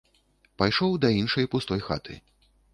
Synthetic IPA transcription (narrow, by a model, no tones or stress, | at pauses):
pajʂɔwd̪ɐinʂɐjpust̪ɔjxa̰t̪ʰɨ̰